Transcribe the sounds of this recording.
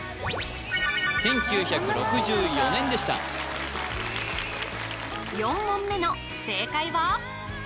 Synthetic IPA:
sẽ̞ŋkʲɨːçakɯ̟ɾo̞kɯ̟ʑɨːjo̞nẽ̞nd̪e̞ɕi̥t̪a̰ | jõ̞mːõmːe̞no̞ | se̞ːkaiβa

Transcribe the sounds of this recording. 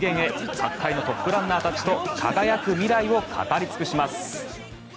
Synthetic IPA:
ɡẽ̞ɰ̃e̞kakʰːaino̞t̪o̞pːɯ̟ɾãnːaːt̪at͡ɕi̥t̪o̞kʰaɡajakɯ̟mʲiɾaio̞kʰa̰t̪aɾʲit͡sɨ̥kɯ̟ɕimasɨ̥

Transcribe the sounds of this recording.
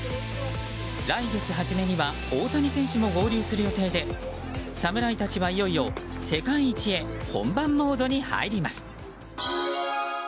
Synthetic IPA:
ɾaiɡe̞t͡sɨɦaʑime̞ɲ̟iβa | oːt̪aɲ̟isẽ̞ɰ̃ɕɨmo̞ɡo̞ːɾʲɯːsɨɾɯ̟jo̞t̪e̞ːd̪e̞ | samɯ̟ɾait̪at͡ɕiβaijo̞io̞se̞kãɰĩit͡ɕie̞hõ̞̰mbãmːo̞ːd̪o̞ɲ̟iha̰iɾʲimasɨ̥

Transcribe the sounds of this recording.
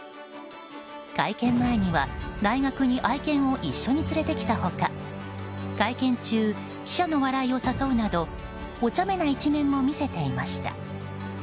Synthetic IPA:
ɡ̥aikẽ̞mːae̞ɲ̟iβad̪aiɡakɯ̟ɲ̟iʔaikẽ̞ɰ̃o̞ʔiɕːo̞ɲ̟it͡sɨɾe̞t̪e̞kʲi̥t̪aho̞ka | ɡ̥aikẽ̞ɲt͡ɕɨː | kʲi̥ɕano̞βaɾaio̞saso̞ɯ̟nad̪o̞ | ot͡ɕame̞nait͡ɕinẽ̞mːo̞mʲise̞t̪e̞imaɕi̥t̪a̰

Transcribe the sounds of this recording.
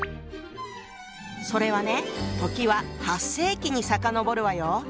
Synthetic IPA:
so̞ɾe̞βane̞t̪o̞kʲiβahasːe̞ːkʲiɲ̟isakano̞bo̞ɾɯ̟βajo

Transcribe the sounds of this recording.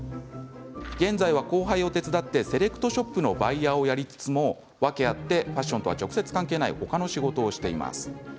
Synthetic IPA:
ɡẽ̞nd͡zaiβako̞ːɦaio̞t̪e̞t͡sɨd̪at̪ːe̞se̞ɾe̞kɯ̟̥t̪o̞ɕo̞pːɯ̟no̞baiao̞jaɾʲit͡sɨ̥t͡sɨmo̞ | βake̞at̪ːe̞ɸaɕːõ̞nt̪o̞βa̰t͡ɕo̞kɯ̟̥se̞t͡sɨ̥kãŋkeːnaḭho̞kano̞ɕiɡo̞t̪o̞ːɕi̥t̪e̞ima̰sɨ̥

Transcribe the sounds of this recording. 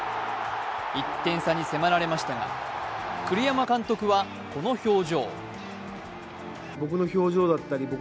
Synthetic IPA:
it̪ːẽ̞ɰ̃saɲ̟ise̞maɾaɾe̞maɕi̥t̪aɡa̰kɯ̟ɾʲijamakãnt̪o̞kɯ̟βa | ko̞no̞ço̞ːʑo̞̰ː | bo̞k̬ɯ̟no̞ço̞ːʑo̞ːd̪at̪ːaɾʲibo̞

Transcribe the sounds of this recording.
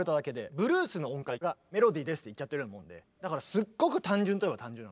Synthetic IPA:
ɾɯt̪ad̪ake̞d̪e̞bɯ̟ɾɯːsɨnoõŋkaiɡame̞ɾo̞d̪iːd̪e̞sɨ̥t̪ːeit͡ɕːat̪ːeɾɯnmõ̞nd̪e̞̰ | d̪akaɾasɨɡːo̞kɯ̟t̪ãɲ̟d͡ʑɨ̃nt̪ojebat̪ãɲ̟d͡ʑɨ̃nːan

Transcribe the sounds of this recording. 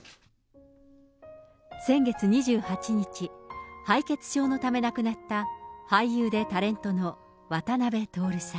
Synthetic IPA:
sẽ̞ŋɡe̞t͡sɨɲ̟iʑɨːhat͡ɕiɲ̟it͡ɕihaike̞t͡sɨ̥ɕo̞ːno̞t̪ame̞nakɯ̟nat̪ːahaijɯːd̪e̞t̪aɾẽ̞nt̪o̞no̞ | βat̪anabe̞t̪o̞ːɾɯ̟sa

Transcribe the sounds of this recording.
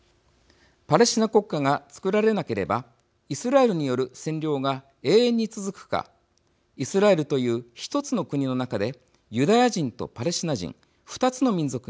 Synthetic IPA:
paɾe̞ɕinako̞kːaɡat͡sɨ̥kɯ̟ɾaɾe̞nake̞ɾe̞̰ba | isɨɾae̞ɾɯ̟ɲ̟ijo̞ɾɯ̟sẽ̞ɲɾʲo̞ːɡa | e̞ːẽɲ̟ːit͡sɨzɨkɯ̥ka̰ | isɨɾae̞ɾɯ̟t̪o̞jɯ̟ːçi̥t̪o̞t͡sɨno̞kɯ̟ɲ̟ino̞nakad̪e̞ | jɯ̟d̪ajaʑĩnt̪o̞̰paɾe̞ɕinaʑḭ̃ɴ | ɸɯ̟̥t̪at͡sɨno̞mʲĩnzo̞kɯ̟

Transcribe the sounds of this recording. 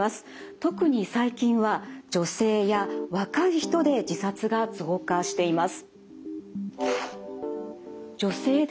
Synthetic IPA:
asɨ̥ | t̪o̞kɯ̟ɲ̟isaikʲĩɰ̃βad͡ʑo̞se̞ːjaβakaiçi̥t̪o̞d̪e̞d͡ʑisat͡sɨɡat͡sɨɡo̞kaɕi̥t̪e̞imasɨ̥ | d͡ʑo̞se̞ːd̪

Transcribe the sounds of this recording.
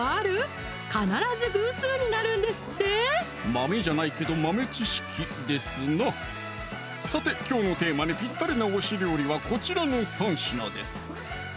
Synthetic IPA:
aɾɯ̟ | kanaɾazɨbɯːsɨːɲ̟inaɾɯ̟̃nd̪e̞sɨ̥t̪ːe | mame̞ʑanaike̞d̪o̞mame̞t͡ɕiɕi̥kʲʰi | d̪e̞sɨna | sat̪e̞kʲo̞ːno̞t̪e̞ːmaɲʲipʲit̪ːaɾʲinaβoɕiɾɯ̟jo̞ɾʲiβako̞t͡ɕiɾano̞sãɰ̃ɕina̰d̪e̞̰sɨ̥

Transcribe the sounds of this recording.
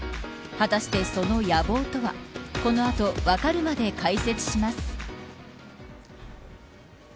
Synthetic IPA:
hat̪aɕi̥t̪e̞so̞no̞jabo̞ːt̪o̞βa̰ko̞no̞at̪o̞βakaɾɯ̟mad̪e̞kaise̞t͡sɨ̥ɕimasɨ̥

